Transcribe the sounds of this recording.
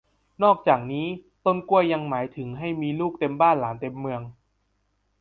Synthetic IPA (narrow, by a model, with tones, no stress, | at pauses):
nɔː˥˩k̚t͡ɕaː˨˩k̚niː˦˥t̪o˥˩nku˥˩əjːa˧ŋmaː˩˦jt̪ʰɯ˩˦ŋɦa˥˩jmiː˧luː˥˩k̚t̪e˧mbaː˥˩nlaː˩˦nt̪e˧mːɯ˧əŋ